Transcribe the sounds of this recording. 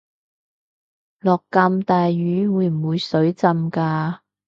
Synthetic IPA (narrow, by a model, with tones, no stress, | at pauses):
lɔː˨˩kːaː˧mt̪aː˨jɥyː˨˧˥wuː˨˧˥jm̩˨˩wuː˨˧jsɵ˨˥ɥt͡sɐ˧mkaː˧